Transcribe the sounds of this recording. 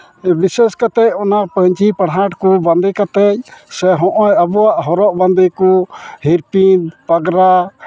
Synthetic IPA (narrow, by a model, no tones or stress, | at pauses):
bisɛskat̪ɛc̚ˀɔnapəɲt͡ʃipəɽɦaʈkuband̪ikat̪ɛc̚sɛɦɔ̃ʔɔjəbɔaʔɦɔɾɔʔband̪ikuhiɾpinpəɡɾa